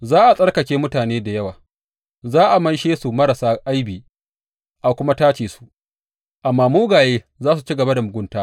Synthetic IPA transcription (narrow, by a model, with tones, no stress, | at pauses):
zaː˦ʔa˨sʼɐ˦rkɐ˨kʲeː˦mʊ˦taː˨neː˦da˨jɐ˦waː˨ | zaː˦ʔa˨mɐ˦nʃeː˦su˨mɐ˦ɾɐ˨saː˦ʔa˦jbiː˨ | ʔa˨kʷʊ˦ma˦taː˦t͡ʃeː˨su̥˨ | ʔa˨mːaː˦muː˦ɡaː˨jeː˦ | zaː˦su˨t͡ʃiː˦ɡɐ˨ba˦da˨mʊ˨ɡʷʊ˦ntaː˦